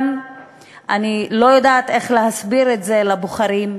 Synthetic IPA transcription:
m | ʔanilo̞jodaːt̪e̞χleɦasbiɾetze̞laboχaɾim

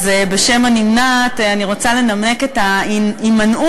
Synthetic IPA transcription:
zebeʃe̞manimnataniʁo̞t͡sale̞namne̞ketaiimanu

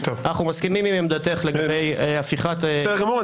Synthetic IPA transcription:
t̪ovanaχnumaskimimimemd̪at̪eχleɡabe̞jafiχat̪sɛɡamuʁa

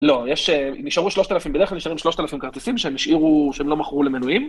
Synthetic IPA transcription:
lo̞jeʃeniʃaʁuʃlo̞ʃt̪alafimbdeklalniʃaʁimʃlo̞ʃt̪alafimkaʁt̪isimʃeemiʃʔiʁuʃeemlo̞maχʁulemenujim

